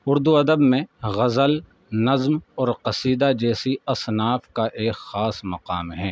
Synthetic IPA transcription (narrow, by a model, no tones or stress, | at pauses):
ʊɾd̪uɐd̪əbmẽɣɐzəl | nɐzmɔːɾqɐsiːd̪ad͡ʒɛːsiɐsnaːfkaʔeːkxaːsmɐqaːmɦɛː